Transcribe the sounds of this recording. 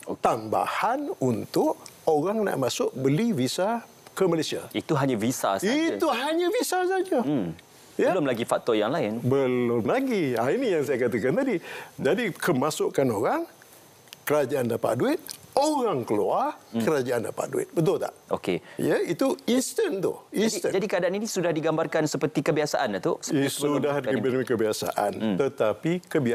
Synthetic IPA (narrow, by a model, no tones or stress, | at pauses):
t̪amba̰hanunt̪ʊʔ | oɾaŋna̰ʔmãsʊʔ̚bəlivisa | kəməlesia̰it̪uɦaɲãvisa̰sit̪uɦaɲãvisas̬ad͡ʒə | jəlʊmlaɡifak̚t̪ɔjaŋlaɪnbəlʊmlaɡiainijaŋsajakat̪akant̪adid͡ʒadikʰəmãsʊʔkanoɾaŋ | kəɾad͡ʒaʔandapa̰ʔduɪt̪̚oɾaŋkəluakəɾad͡ʒaʔanda̰pa̰ʔduɪ̰t̪̚bət̪ʊlt̪a̰ʔʔo̰kḛjəit̪uist̪ənt̪ʊ̰insit̪əd͡ʒadikəadaaninĩsudahdiɡambarkansəpərt̪ikəbiasaʔant̪usə̥sudahdibənĩkəbiasa̰ʔa̰nt̪ət̪apikəbia